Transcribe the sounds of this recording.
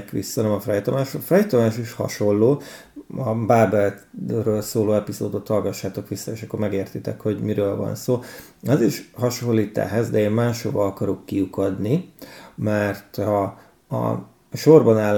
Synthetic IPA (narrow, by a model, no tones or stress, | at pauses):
kʋḭsːɒnɛmɒfrɛjt̪omaːʃofrɛjt̪omaːʃiʃhɒ̰ʃo̞lːoː | ɒbaːbɛlrøːlsoːloːɛpizo̰ːd̪o̞t̪hɒlɡɒʃːaːt̪o̞kʋisːɒeːʃɒkːo̞rmɛɡeːrt̪it̪ɛ̰kho̞ɟmiɾøːlvɒ̰nsoːɒziʃhɒʃo̞lːiːt̪a̰ːɦɛzd̪ɛeːmmaːʃhobɒɒkɒɾokːiukɒd̪nimɛrt̪hɒ | ɒ̰ | ʃo̞rbɒnaːlː